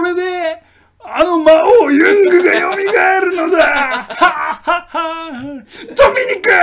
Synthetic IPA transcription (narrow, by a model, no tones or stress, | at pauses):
ɾe̞d̪e̞ | ano̞maojɯ̃ŋɡɯɡajomʲiɡaeɾɯ̟nod̪ehahaha | d̪̥omʲiɲʲikɯ